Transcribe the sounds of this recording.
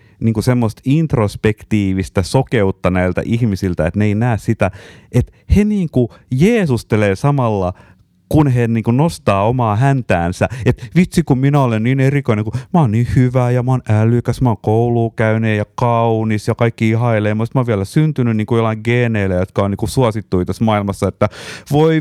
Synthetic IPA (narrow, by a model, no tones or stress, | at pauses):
niːŋkusemːost̪int̪rospekt̪iːʋist̪æsokeut̪ːɑnæilt̪æ̰ʔihmisilt̪æḛt̪neinæːssit̪æʔet̪ | heniːŋkujeːsust̪eleːsɑmɑlːɑ | kunheniːŋkunost̪ɑːomɑːhænt̪æːnsæet̪ʋit̪sikumminæolenniːnerikoineŋkumɑoːnniːhyʋæːjɑmɑːnælykæsmɑːŋkouluːkæyneːjɑkɑunisjɑkɑikːiihɑeleːmusit̪mɑoːʋiælæsynt̪ynynniːŋkujolːɑiŋɡeːneilæjot̪kɑoniːŋkusuɑsit̪ːuit̪æsmɑːilmɑsːɑet̪ːæʋoi